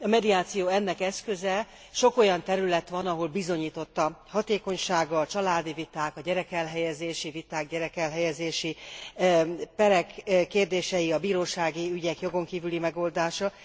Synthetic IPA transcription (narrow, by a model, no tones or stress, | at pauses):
ɒmɛd̪iaːt̪sijoːɛnːɛkɛskø̞zɛ | ʃo̞ko̞jɒnt̪ɛɾylɛt̪ʋɒnɒɦo̞lbizo̞ɲiːt̪o̞t̪ːɒhɒt̪eːko̞ɲʃaːɡɒt͡ʃɒlaːd̪ivit̪aːkɒɟɛɾɛkɛlɦɛjɛzeːʃivit̪aːɡɟɛɾɛkɛlɦɛjɛzeːʃi | pɛɾɛkkːeːrd̪eːʃɛjiɒbiːɾoːʃaːɡiyɟɛkjo̞ɡo̞ŋkiːvylimɛɡo̞ld̪aːʃɒ